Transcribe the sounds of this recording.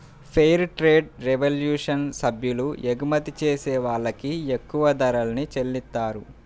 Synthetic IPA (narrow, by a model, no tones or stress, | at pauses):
pʰejɾʈɾe̞ːɖɾeʋɐljuːʂɐnsɐbʱjulueɡumɐt̪it͡ʃeːsɛːʋaːɭːɐkiekːuʋɐd̪ɐɾɐlɐnit͡ʃelːit̪ːaːɾu